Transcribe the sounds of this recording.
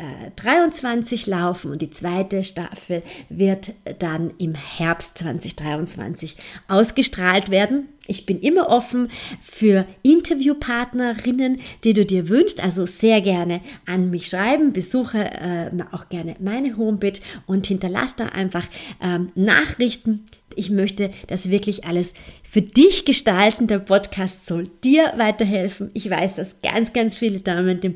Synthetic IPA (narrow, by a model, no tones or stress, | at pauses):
ʔɛ̰ːd̥ʁaɪʊnt͡sv̥ant͡sɪçlaʊfn̩ʊntd̥iːt͡sv̥aɪtəʃta̰fl̩vɪɐtd̥anʔɪmhɛɐpstt͡sv̥a̰nt͡sɪçd̥ʁaɪʊnt͡sv̥a̰nt͡sɪçʔaʊsɡ̥əʃtʁ̥aːltv̥eːɐdn̩ʔɪçb̥ɪnʔɪmɐʔɔfn̩fyːɐʔɪntʰɐvjuːpʰaɐtnɐʁɪnənd̥iːduːdiːɐvʏnʃtʔalzoz̥eːɐɡɛɐnəʔanmɪçʃʁ̥aɪbm̩bəzuːxəɛ̰ːmʔa̰ʊxɡ̥ɛɐnəmaɪnəɦoːmbɪt͡ʃʔʊnthɪntɐla̰sd̥a̰ːʔa̰ɪnfaχʔɛːmna̰ːχʁ̥ɪçtn̩ʔɪçmœçtəd̥asv̥ɪɐklɪçʔaləsfyːɐdɪçɡ̥əʃtaltn̩deːɐpʰɔtkʰaːstz̥ɔld̥iːɐvaɪtɐɦɛlfn̩ʔɪçv̥a̰ɪsd̥asɡ̥a̰nt͡sɡ̥ant͡sfiːlədaːməndeːm